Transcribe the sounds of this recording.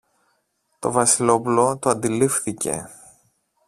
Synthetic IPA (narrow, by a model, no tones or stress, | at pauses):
t̪o̞̰vɐsilo̞pulo̞t̪oɐnd̪ilifθice̞̰